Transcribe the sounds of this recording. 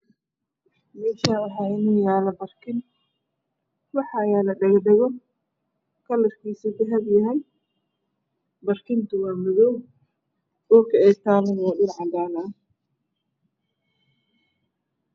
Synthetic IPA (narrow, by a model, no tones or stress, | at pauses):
mɛːʃaːwɑħɑːɪnujaːlɐbɐrkʰɪn | wɑħɑjaːlɐɖɐɣd̪ɛɣɔ | kʰɐlɐfkʰiːsikʊɦɐbjɐɦɛj | bɐrkʰɪnt̪ʰʊwɑːmɔðɔw | ɔːkʰɐɛjt̪ʰaːlɐnjadɪnʕɑd̪aːnɐɐ